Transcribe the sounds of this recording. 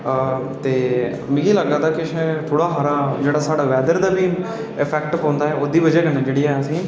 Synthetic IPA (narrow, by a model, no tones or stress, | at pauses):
t̪eː | mɪ̃ɡiːləɡaːd̪aːkɪʃt̪ʰoːɽaːɦaɾaːd͡ʒeːɽaːsaːɽaːʋɛːd̪əɾd̪aːbiː | ɪpʰɛːkʈpɔ̃ːnd̪aːɦɛːoːd̪iːbəd͡ʒɛːkənãːd͡ʒeːɽiːɛːəsĩː